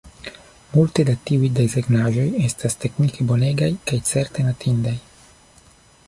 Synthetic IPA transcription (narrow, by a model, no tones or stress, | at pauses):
multe̞datiujdezeɡnaʒo̞je̞staste̞knike̞bo̞ne̞ɡajkajt͡se̞ɾte̞natʰindaj